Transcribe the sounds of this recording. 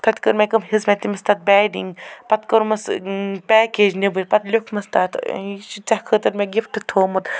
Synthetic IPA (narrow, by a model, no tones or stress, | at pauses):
t̪ʰɐt̪ʲkəɾmekɐmɦizmet̪imɐst̪ʰat̪̚bɛːɖḭŋɡpɐt̪kɐɾmɐspʲɛːkeːd͡ʒnebɨɾʲpɐt̪lʲokʰmɐst̪aːt̪it͡ʃit͡ʃɐhkʰət̪ɐɾmeɡifʈɨt̪ʰoːmɐt̪